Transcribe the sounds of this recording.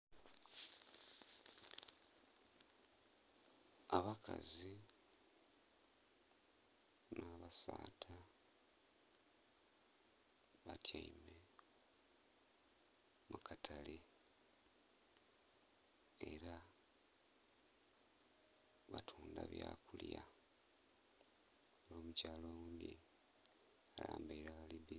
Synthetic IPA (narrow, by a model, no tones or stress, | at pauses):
aβakʰazi | naːβasaːtʰa | βatʰjaime | mukʰatʰale | eɾa | βatʰuːndaβjakulja | loːmucaːloɣuːndi | alaːmbaiɾaβaliβi